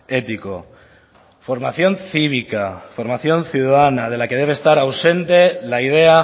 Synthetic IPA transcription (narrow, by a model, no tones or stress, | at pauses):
e̞t̪iko̞ | fo̞ɾmaθjo̞nθiβ̞ikafo̞ɾmaθjo̞nθjuðaðanað̞e̞lake̞ð̞e̞β̞est̪aɾawse̞nt̪e̞laiðe̞a